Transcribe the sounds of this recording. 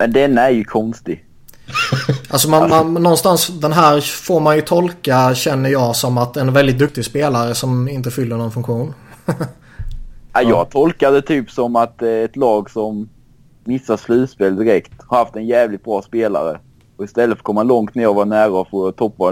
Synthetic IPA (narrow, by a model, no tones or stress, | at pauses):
mɛnd̪ɛnːaæɾjɵkʰɔnst̪ɪɡ | alsɔmanmannːɔnːst̪ansd̪ɛnɦæːɾfoːɾmanjɵt̪ʰɔlkaɕɛnːəɾjɑːɡsɔmːat̪ɛnvɛld̪ɪt̪̚d̪ɵk̚t̪ɪɡspeːlaɾəsɔmɪnt̪əfʏlːəɳɔnfɵŋkɧuːn | ajɑːɡt̪ʰɔlkad̪ɛt̪ʰyːpsɔmat̪ɛt̪lɑːɡsɔmː | ɪsːaʂlʉ̟ːt̪speːld̪ɪɾɛkt̪haɾhaft̪ɛnjɛːvlɪt̪̚bɾɑːspeːla̰ɾə̰ | ɔɪst̪ɛlːət̪fɾkʰɔmːalɔŋt̪̚næːjɑɔvaɳæːɾafoɾt̪ʰɔpːa